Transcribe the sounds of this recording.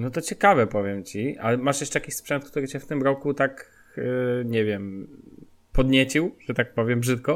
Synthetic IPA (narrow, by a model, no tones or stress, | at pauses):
nɔt̪ɔt͡ɕɛkavɛpɔvʲjɛmt͡ɕia̰lɛmaʂjɛʂt͡ʂɛjakʲiɕspʂɛnt̪kt̪uɾɘt͡ɕɛft̪ɘmɾɔkut̪ak | ɲɛvʲjɛm | pɔd̪ɲet͡ɕiwʐ̥ɛt̪ak̚pɔvʲjɛmbʐɘt̪̚kɔ